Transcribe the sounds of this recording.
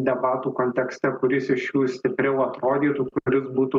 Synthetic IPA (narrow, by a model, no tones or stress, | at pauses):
d̪ʲɛbɑːt̪uːkoːnʲt̪ʲɛksʲt̪ʲɛkʊɾʲɪsɪʃjuːsʲt̪ʲɪpʲɾʲɛʊɐt̪ɾoːd̪ʲiːt̪uːkʊɾʲɪsbuːt̪u